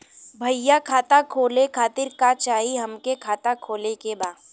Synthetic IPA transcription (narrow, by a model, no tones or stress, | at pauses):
bʱɐjːakʰaːt̪akʰoːlekʰaːt̪ɪɾkat͡ʃaːɦiɦɐmkekʰaːt̪akʰoːlekebaːd̪